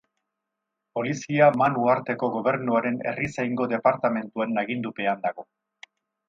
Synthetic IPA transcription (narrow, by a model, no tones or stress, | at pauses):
po̞lisiamanuaɾt̪e̞ko̞ɣo̞β̞e̞ɾnuaɾe̞ne̞̰risajŋɡo̞ðe̞paɾt̪ame̞nt̪uenaɣind̪upe̞and̪aɣo̞